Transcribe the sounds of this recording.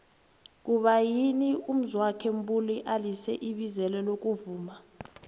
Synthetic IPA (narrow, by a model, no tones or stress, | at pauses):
k̬uɓajinium̩zwakʰɛm̩buliʔalisɛʔiɓizɛlɛlok̬ʼuvuːma